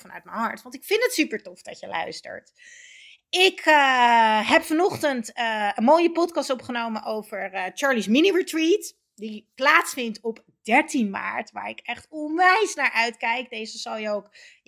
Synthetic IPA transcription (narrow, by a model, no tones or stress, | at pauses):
fɑnœ̰ɥt̚mənɦɑɹtʋɑntɪkfɪntətsypəɹtɔfd̥ɑ̰cəlʔœ̰ɥstə̰ɹt | ɪkʰəɦɛpfɑnɔχtəntənmoːjəpɔtkɑstɔpχənowmənʔowvəɹt͡ʃɑːɹlisminiɹitrit | diplaːtsfɪntɔp | dɛɹtinma̰ːɹtʋa̰ːɹɪkɛχtɔnʋɛjsnaːɹʔœɥtkɛjk̚dejzəzɑlˠjəowk